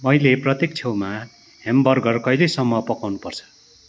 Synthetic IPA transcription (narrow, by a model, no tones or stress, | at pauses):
mʌjleprʌt̪ek̚t͡sʰewma | hembʌrɡʌrkʌjlesʌmːʌpʌkawnupʌrt͡sʰʌ̥